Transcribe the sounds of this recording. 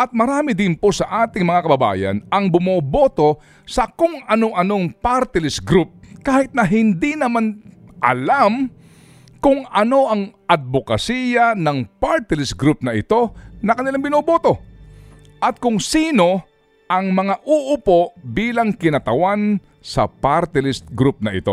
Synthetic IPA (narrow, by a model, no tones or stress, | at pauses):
ʔɐt̪̚mɐɾaːmɪd̪ɪnposɐʔaːt̪ɪŋmɐŋakɐbɐba̰ːjɐ̰nɐŋbʊmoːboːt̪o̞ | sɐkʊŋɐno̞ʔɐnoŋpaɾt̪ɪlɪsɡɾup̚kaːhɪt̪̚nɐɦɪnd̪inɐmanʔɐ̰lam | kʊŋɐno̞ʔɐŋɐd̪̚bokɐsiːjɐnɐŋpaɾt̪ɪlɪs̚ɡɾup̚nɐʔɪt̪o̞nɐkɐnɪlaŋbɪnoːboːt̪o̞ | ʔɐt̪̚kʊŋsiːno̞ | ʔɐŋmɐŋaʔʊʔʊpoʔbiːlɐŋkɪnɐt̪ɐwan | sɐ̰paɾt̪ɪlɪst̪̚ɡɾup̚nɐʔɪ̰t̪o